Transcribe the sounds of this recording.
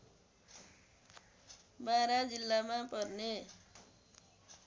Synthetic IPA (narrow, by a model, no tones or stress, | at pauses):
baɾad͡zilːamapʌrne